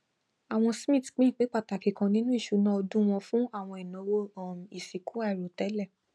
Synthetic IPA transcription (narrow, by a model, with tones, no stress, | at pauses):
a˨w̃ɔ̃˧smĩ˦˨tk͡pĩ˦˨k͡pe˨˦k͡pa˦˨ta˨ki˨kã˨nĩ˦nũ˦i˦˨ʃu˨˦nã˦ɔ˧dũ˦w̃ɔ̃˧fũ˦a˦˨w̃ɔ̃˧ɛ˨nɔ̃˨wo˧˦˨m˨i˨si˨ku˨˦a˦˨i˨ɾo˨tɛ˨˦lɛ˦˨